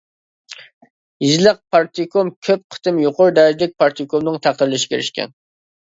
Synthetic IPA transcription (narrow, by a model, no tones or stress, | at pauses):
jizləq̚pʰɑɾt̪ʰikʰomkʲʰøp̚qʰə̥t̪ɨmjoqʊɾd̪ɛːd̪ɪk̚ʲpʰɑɾt̪ʰikʰomnɨŋt̪ʰæq̚d̪əɾlˠɪʃɪ̥kʲʰeɾɪʃkʲʰɛ̰n